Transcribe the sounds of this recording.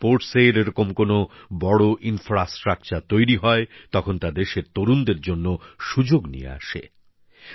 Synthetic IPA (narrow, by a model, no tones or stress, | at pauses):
poɾʈseɾeɾokomkonobɔɽoʔinfɾasʈɾak̚t͡ɕaɾt̪ojɾiɦɔet̪ɔkʰont̪ad̪eʃeɾt̪oɾund̪eɾd͡ʑonːoʃud͡ʑoɡnḭjḛa̰ʃḛ